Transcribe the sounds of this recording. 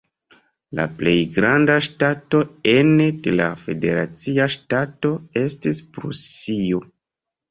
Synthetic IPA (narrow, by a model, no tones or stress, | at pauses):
la̰ple̞jɡɾandaʃtato̞enede̞la̰fe̞de̞ɾat͡siaʃtato̞e̞stispɾṵsio